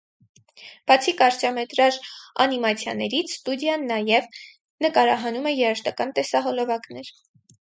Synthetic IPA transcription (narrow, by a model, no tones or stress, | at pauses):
b̥ɑt͡sʰikɑɾt͡ʃɑmɛt̪ɾɑɾɑ̰nimɑt͡sʰjɑ̰nɛɾit͡sʰst̪ud̪jɑnːɑjɛv | nəkɑɾɑɦɑnumɛjɛɾəʃt̪ɑkɑnt̪ɛsɑɦɔlɔvɑknɛɾ